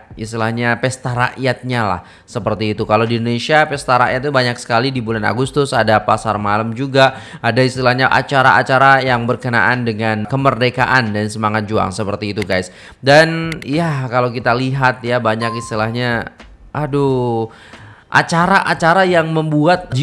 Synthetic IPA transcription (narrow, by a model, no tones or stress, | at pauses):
ist̪ilahɲapɛst̪aɾa̰ʔjat̪̚ɲala̰h | səpərt̪iːt̪ukalawdindonesiapɛst̪aɾa̰ʔjat̪̚ːubaɲaksə̥kalidibulana̰ɡust̪ʊsadapasarmalamd͡ʒuɡaadaist̪ilahɲaʔa̰t͡ʃaɾa̰a̰t͡ʃaɾajaŋbərkəna̰ʔandəŋankəmərdeka̰ʔandansəmaŋat̪̚d͡ʒua̰ŋsəpərt̪iːt̪uɡajs | danjakalawkit̪aliɦat̪̚jabaɲakist̪ilahɲa | ʔahdo | ʔa̰t͡ʃaɾaʔat͡ʃaɾajaŋməmbuat̪̚d͡ʒ